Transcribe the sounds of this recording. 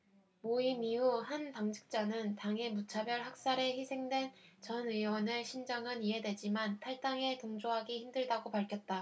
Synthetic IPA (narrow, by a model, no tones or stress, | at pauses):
moimiuhanpaŋd͡ʑʰi̥k̚t͡ɕ͈anɯntaŋe̞mut͡ɕʰabjʌɭhak̚s͈aɾe̞çisʰe̞ŋdwe̞nt͡ɕʌniwʌnɯɭɕʰind͡ʑaŋɯniɦe̞dwe̞d͡ʑimantʰaɭt͈aŋe̞toŋd͡ʑoɦaɡiçimdɯɭdaɡopaɭkʰjʌt̚t͈a